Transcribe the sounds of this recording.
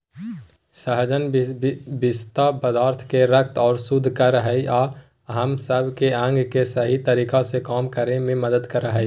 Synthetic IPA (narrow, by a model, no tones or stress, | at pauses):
səɦd͡ʒən | bɪst̪apəd̪aːɾt̪ʰkeɾək̚t̪ɔːɾsud̪ʱːkəɾəɦəia | ɦəmsəbʱkeə̃ŋɡʱkesəɦit̪əɾiːkasekaːmkəɾemẽməd̪əd̪kəɾəɦəi